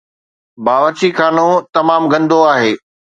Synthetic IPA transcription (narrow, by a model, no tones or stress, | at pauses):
baːʋət͡ɕikʰaːnot̪ɐmaːmɡɐ̃nd̪ʱoaːɦeː